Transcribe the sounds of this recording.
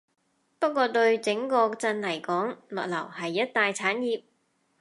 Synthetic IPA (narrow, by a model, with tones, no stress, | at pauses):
pɐ˥t̚kʷɔː˧t̪ɵ˧ɥt͡sɪ˨˥ŋkɔː˧t͡sɐ˧nlɐ˨˩jkɔː˨˥ŋlɔː˨˩k̚lɐ̰˨˩whɐ˨jːɐ˥t̚t̪aː˨jt͡sʰaː˨˥njiː˨˧p̚